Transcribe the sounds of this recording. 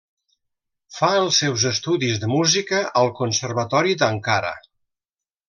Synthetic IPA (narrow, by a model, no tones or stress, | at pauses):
faəlˠsɛwzəst̪uðizðəmuzikəəlˠkunsərβət̪ɔɾid̪əŋkaɾə̰